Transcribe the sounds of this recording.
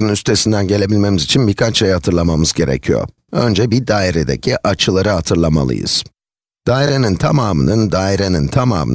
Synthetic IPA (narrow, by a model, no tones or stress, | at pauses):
ynyst̪ʰe̞sind̪ænɟe̞lʲe̞bilʲme̞mizit͡ʃʰinbiɾkʰat͡ʃejhat̪ʰɯɾlˠamamɯzɟe̞ɾḛcʰijo̰ɾ | ø̰nd͡ʒɛbid̪aːiɾed̪e̞̰cʰiʔat͡ʃʰɯlˠaɾɯɦat̪ʰɯɾlˠama̰lˠɯ̰jɯ̰z̥ | d̪̥aːiɾenint̪ʰamaːmɯ̰nɯnd̪aːiɾenint̪ʰama̰ːmɯ̰